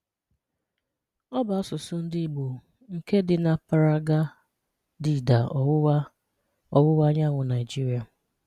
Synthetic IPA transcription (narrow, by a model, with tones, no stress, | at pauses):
ɔ˦ba˨ɔ˦sʊ˨sʊ˦n̩˦dɪ˦i˨ɡ͡bu˨ | ŋ̩˨ke˦dɪ˨na˨pa˨ɾa˦ɡa˦ | di˨da˨˦ | ɔ˨wʊ˦wa˦ɲa˦ŋʷʊ˨na˨ɪ˨d͡ʒi˦ɾi˨a˨